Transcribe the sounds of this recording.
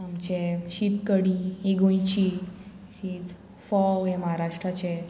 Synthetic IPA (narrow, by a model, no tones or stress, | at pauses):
amt͡ɕeɕit̪kəɽieɡõjt͡ɕi | ɕit̪ | fɔɦɛ̃məɦaɾaʂʈɾat͡ɕe